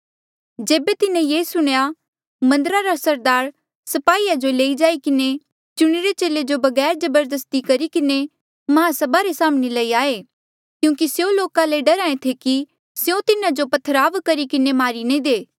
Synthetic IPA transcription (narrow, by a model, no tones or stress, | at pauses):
d͡ʒeːbet̪ɪnẽjeːsʊɽ̃ja | mɐ̃nd̪əɾaɾasɐɾd̪aːɾ | sɐpaːiːad͡ʒoleːid͡ʒaːikɪne | t͡ʃʊɽ̃iɾet͡ʃeːled͡ʒobɐɡɛːɾd͡ʒɐbəɾd̪əst̪ikɐɾikɪne | mɐɦãsɐbaɾesaːmɽelɐiaːe | kjũːkisjõloːkaleɖɐɾaːẽt̪ʰeki | sjõt̪ɪnãd͡ʒopɐt̪ʰːəɾaːʋkɐɾikɪnemaːɾinĩd̪eː